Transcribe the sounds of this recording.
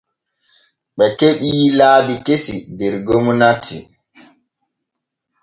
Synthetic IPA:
ɓɛkeɓilaːbikesidɛɾɡomunatʰːḭ

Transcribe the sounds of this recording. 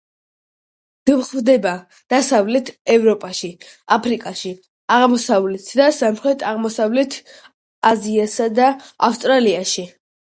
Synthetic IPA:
d̪̥mχvd̪ɛba | d̪̥asavlɛt̪ʰɛvɾɔpʼaʃiapʰɾikʼaʃi | aʁmɔsavlɛt̪ʰd̪asamχɾɛt̪ʰaʁmɔsavlɛt̪ʰː | ziasad̪aafst̪ʼɾaliaʃi

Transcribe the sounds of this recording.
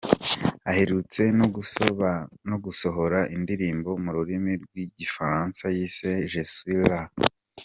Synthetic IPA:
ahe̞ɾut͡se̞noɡu | noɡuso̞ɦo̞ɾaʔindiɾiːmbo̞muɾuɾimiɾɡwiɟifaɾaːnsajiːse̞ʒeswila

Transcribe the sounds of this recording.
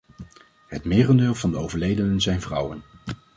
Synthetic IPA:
ɦətmɪːrəndɪːlˠvɑndəowvəɹlejdənənzɛjnvrʌwən

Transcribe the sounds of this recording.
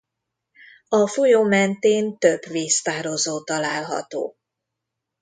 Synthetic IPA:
ɒfojoːmɛnt̪eːnt̪øbveːst̪aːɾo̞zoːt̪ɒlaːlɦɒ̰t̪o̰ː

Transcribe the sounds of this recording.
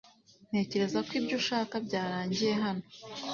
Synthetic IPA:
n̥he̞ːce̞ɾe̞zakwibɟuʃaːkabɟaːɾaːɲɟije̞ɦano

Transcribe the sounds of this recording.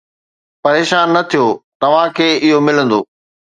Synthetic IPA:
pɐɾeːʃaːnːɐt̪ʰijoːt̪ɐʋ̤ãkʰeːɪɦomɪlə̃nd̪oː

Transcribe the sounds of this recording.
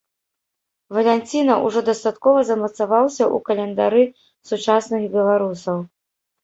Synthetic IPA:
vɐlʲɛnʲt͡sʲinɐʔṵʐɔd̪ɐst̪at̪kɔvɐzɐmɐt̪savawsʲɐʔukɐlʲɛnd̪aɾɨ | sut͡ʂasnɨxbʲɛlˠaɾusɐw

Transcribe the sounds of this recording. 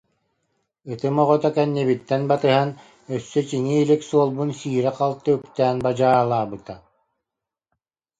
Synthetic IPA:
ɯt̪ɯmɔʁɔt̪akɛnːiβit̪ːɛnbat̪ɯɦan | œsːœt͡ɕiŋiːliksuɔlˠbunsiːɾɛqalˠt̪ːɯykt̪æːnbad͡ʑaːlˠaːbɯt̪a

